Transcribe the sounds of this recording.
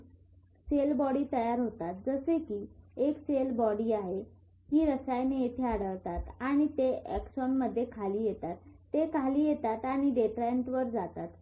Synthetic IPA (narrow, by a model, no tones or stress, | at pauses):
selbɔɽiːt̪əjaɾɦot̪at̪̚d͡zəsekiːekselbɔɽiːaɦe | ɦiːɾəsajnejet̪ʰeaɽ̤əɭt̪at̪aɽ̃it̪eɛkɕɔnməd̪ʱːjekʰaliːjet̪at̪ː | ekʰaliːjet̪at̪aɽ̃iɖeʈɾaeɳʈʋəɾd͡zat̪at̪